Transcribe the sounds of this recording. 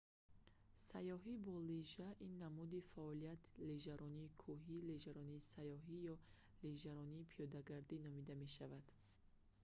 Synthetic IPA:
sajɔɦibɔliʒaʔinːamud̪ifaɔlijat̪ʰleʒaɾɔniːkʰuɦileʒaɾɔniːsajɔɦijɔ | leʒaɾɔniːpʰijɔd̪aɡaɾd̪inɔmid̪ame̞ʃavad̪̥

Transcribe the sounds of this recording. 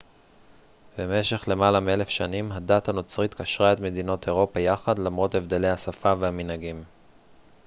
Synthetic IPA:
be̞me̞ʃe̞χle̞malamie̞le̞fʃanimɦadathano̞t͡sʁit̪kaʃʁae̞t̪me̞dino̞tʰe̞ʁo̞pajaχadlamʁo̞t̪e̞vde̞lejhasafavehaminhaɡim

